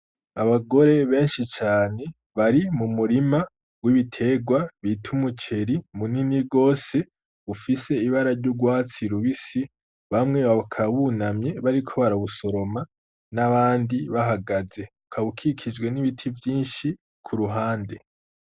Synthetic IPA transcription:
aβaɡo̞ɾe̞βe̞ːnʃit͡ʃaːne̞ | βaɾimumuɾima | wiβitʰe̞ːɡwaβitʰumut͡ʃe̞ɾimuniniɡo̞ːse̞ | βufise̞iβaɾaɾɟuɡwaːt͡siɾuβisi | βamŋe̞βakʰaβunamɲe̞βaɾikʰo̞βaɾaβuso̞ɾo̞ma | naβaːndiβaɦaɡaze̞βukʰaβukʰikʰid͡ʒɡwe̞niβitʰivjiːnʃi | kʰuɾuɦaːnde̞

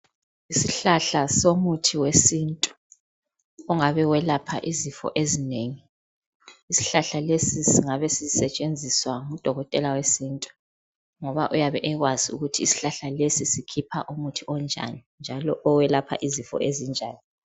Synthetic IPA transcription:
isiɬaɬasomutʰiwesintʼu̥ | ɔŋaβɛwɛlapʰa̰ʔizifɔ̰ʔezineːŋi | isi̥ɬaɬalesisiŋaβɛsizsɛt͡ʃʼend͡zʱiswaŋud̥ʱɔɣɔtʼɛlawesintʼu̥ | ŋɔβaʔujaβɛʔɛɣwaziṵɣutʰiːsi̥ɬaɬalesisikʰipʰa̰ʔumutʰiʔɔnd͡ʒʱa̰nind͡ʒʱalɔʔɔwɛlapʰa̰ʔizifɔ̰ʔezind͡ʒʱa̰ːni

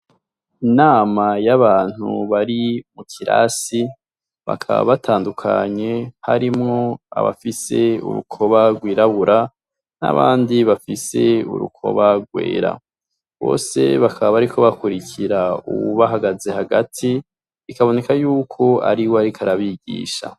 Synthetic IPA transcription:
inaːmajaβaːn̥hṵβaɾimutʰiɾa̰si | βa̰kʰaβa̰βatʰaːndukʰa̰ɲe̞haɾimŋoa̰βa̰fise̞ṵɾṵkʰo̞βaɡwiːɾaβuɾʔa | na̰βaːndiβafise̞ṵɾṵkʰo̞̰βaɡwḛːɾa̰ | βo̞̰ːse̞̰βakʰaβaβaɾikʰo̞βakuɾicʰiɾaṵβuβaɦaɡaze̞haɡatʰiː | kaβo̞ne̞kajuːkʰo̞a̰ɾiwoaɾikʰaɾaβiɟḭːʃa̰

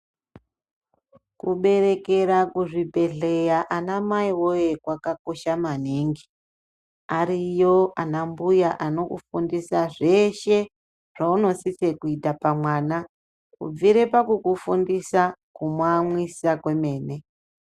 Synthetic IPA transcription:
kuɓe̞re̞ke̞ɾakuʐibʱe̞ɮe̞jaʔanamaiwojekwakako̞ʃamaneŋɡi | aɾijoʔanambujaʔano̞kṵfundisaʐe̞ʃe | ʐ̥auno̞sise̞kuitapamwaːna | kṵb͡viɾe̞pakukufundisakumwamwisakwe̞me̞ːne̞

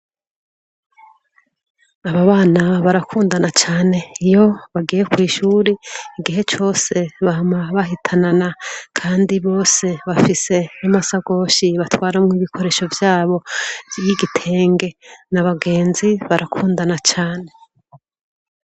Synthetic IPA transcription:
aβaβaːnaβaɾakʰuːndanat͡ʃaːne̞ijo̞βaɡijekwiːʃuːɾeiɡiɦe̞t͡ʃo̞ːse̞βahamaβaɦitʰananakʰaːndiβo̞ːse̞βafise̞amasaɡo̞ːʃiβatwaːɾamŋiːβikʰo̞ɾe̞ːʃo̞vjaːβo̞jiɡitʰe̞ːŋɡe̞naβaɡe̞ːnziβaɾʔakʰuːndanat͡ʃaːne̞

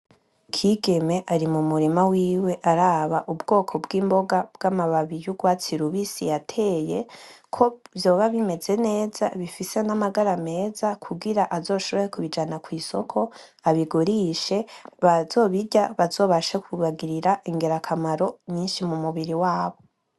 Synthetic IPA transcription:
kʰiːɡe̞me̞ʔaɾimumuɾimawiːwe̞ʔaɾaβaʔubɡo̞ːkʰo̞bɡiːmbo̞ɡabɡ̥amaβaβijuɡwaːt͡siɾuβisḭjatʰe̞ːje̞kʰo̞vjo̞ːβaβime̞ze̞ne̞ːzaβifise̞namaɡaɾame̞ːzakʰuɡiɾaʔazo̞ːʃo̞βo̞jekuβid͡ʒanakwiːsokʰo̞ | aβiɡuɾiːʃe̞βazo̞ːβiɟaβazo̞ːβaʃakuβaɡiɾiɾaʔiŋɡe̞ɾakʰamaɾo̞ɲiːnʃimumuβiɾiwaːβo̞

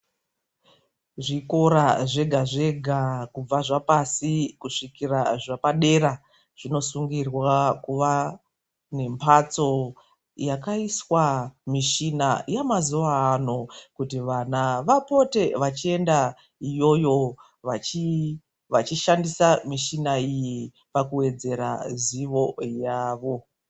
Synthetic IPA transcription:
ʐiko̞ɾaʐe̞ɡʱaʐe̞ɡʱakub͡vaʐapasikuʂikiraʐapaɗe̞ɾa | ʐ̥ino̞suŋɡirwakuʋa | ne̞mpʰat͡so̞ | jakaiswamiʃinajamazuʋaːnokutiʋanaʋapo̞te̞ʋat͡ʃie̞nda | ijo̞jo̞ | ʋat͡ʃi | ʋat͡ʃiʃandisamiʃinaiji | pakuwe̞d͡ze̞ɾaziʋo̞jaːʋo̞

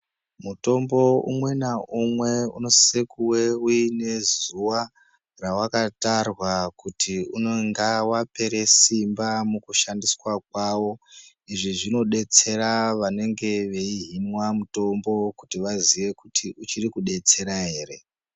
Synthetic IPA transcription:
muto̞mbo̞ṵmwe̞naumwe̞ṵno̞sekuwe̞uine̞zuʋa | rawakatarwakutʰiunoŋɡawape̞ɾe̞simbamukuʃandiswak̚waːwo̞ | iʐiʐino̞ɗe̞t͡se̞ɾaʋane̞ŋɡe̞ʋe̞iɦinwamuto̞mbo̞kutiʋaziʋe̞kutʰiʔut͡ʃirikuɗe̞t͡se̞ɾaɦe̞ːɾe̞

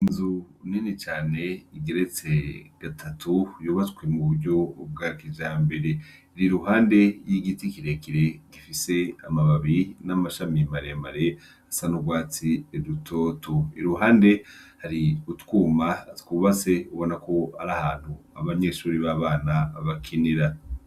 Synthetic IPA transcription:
inzuninit͡ʃaːne̞iɡeɾe̞t͡se̞ɡ̥atʰatʰujuːβatwemuβuɾɟo̞b̚ɡakiʒaːmbe̞ɾe̞ | ɾiɾuɦaːnde̞jiɡitikiɾekiɾe̞ɡ̥ifise̞amaβaβinamaʃamimaɾemaɾe̞ | asanuɡwaːt͡siɾutʰo̞ːtʰoḭɾuɦaːnde̞haɾiutkuːmatkuːβase̞uβo̞nakʰo̞aɾahaːn̥hu | aβaɲe̞ʃuːɾiβaːβaːnaβakʰiniɾa

